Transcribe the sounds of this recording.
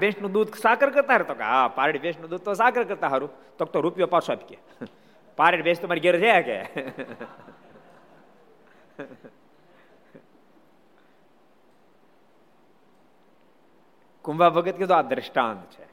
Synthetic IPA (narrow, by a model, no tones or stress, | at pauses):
bẽsnũd̪uːd̪saːkəɾkəɾt̪aɦəɾet̪okapaːɾəɽbeːʃnud̪uːd̪̚t̪os̬aːkəɾkəɾt̪aɦɐɾut̪oːk̚t̪oɾupijopaːɾsoapi̥ke | paːɾeʈbeːst̪ʊmaːɾiɡeɾd͡ʒɛakḛ | kumʋabəɡət̪̚ket̪oaːd̪ɾəʃʈaːnt̪t͡ʃʰe